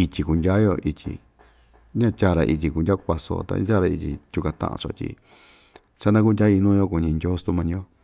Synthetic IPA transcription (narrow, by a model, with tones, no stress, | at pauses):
i˧t̪ʲi˧ku˧ndʲa˦jo˧ʔi˧t̪ʲḭ˧ | ɲã˦˧tʲa˧˨˧ɾa̰˧ʔi˧tʲi˧ku˧ndʲa˦˧kʷa˧so̰˧t̪a̰˧ɲ̰̃˦tʲa˦ɾa˧i˧t̪ʲḭ˧t̪ʲu˧kã˧t̪ã̰˧ʔã̰˧t͡ʃo̰˧t̪ʲḭ˧ | sa˦nã˦ku˦n˧dʲa˦i˧nũ˦˧jo˦ku˧˨˧ɲĩ˧ndʲo˦st̪u˧mã˧nĩ˧˦o˦